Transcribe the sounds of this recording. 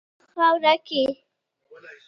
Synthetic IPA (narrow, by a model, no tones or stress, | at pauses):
xawɾakɪ